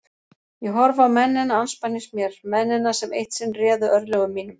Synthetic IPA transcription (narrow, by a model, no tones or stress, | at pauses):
jɛɣɦɔɾvaːmɛnːɪnaanspaniŋsmjɛɾ̥mɛnːɪnasɛmejht̪sɪnrɛːðʏʔœɾlɛɣʏmːiːnʏm